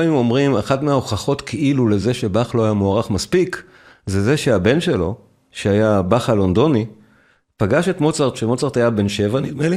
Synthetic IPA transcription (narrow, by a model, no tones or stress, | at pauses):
ajimo̞mʁimaχatmeaoχaχo̞tkʰeʔilule̞zeʃe̞baχlo̞ajamoaʁaχmaspik | zeze̞ʃeabe̞nʃelo̞ | ʃeajabaχalo̞nd̪o̞ni | paɡaʃe̞tmo̞t͡saʁt̪ʃemo̞t͡saʁt̪ajabe̞nʃe̞vanidmeli